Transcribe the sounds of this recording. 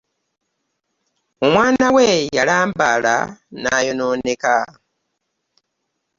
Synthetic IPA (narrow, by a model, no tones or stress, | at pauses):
omwaːnawejalaːmbala̰naːjo̞noːneka